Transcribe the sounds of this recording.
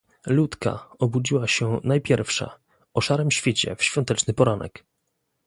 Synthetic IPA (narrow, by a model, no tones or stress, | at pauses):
lut̪ka̰ɔbud͡ʑiwaɕɛnajpʲjɛɾfʂa̰ | ɔʂaɾɛmɕfʲjet͡ɕɛ̰fɕfʲjɔ̃nt̪ɛt͡ʂnɘpɔɾanɛ̰k